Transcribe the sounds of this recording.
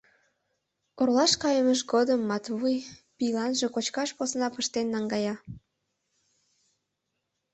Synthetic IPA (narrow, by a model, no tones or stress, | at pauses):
orlɑʃkɑjəməʃɡod̪əmːɑt̪βujpilɑnʒekot͡ɕkɑʃposnɑpəʃt̪enːɑŋɡɑjɑ